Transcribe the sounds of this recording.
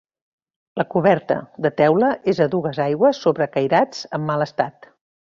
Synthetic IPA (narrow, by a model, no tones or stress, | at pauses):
ləkuβɛrt̪ə̰d̪ət̪ɛwləezəðuɣ̞əzajɣwəsːoβɾəkəjɾad͡zəmːaləst̪at̪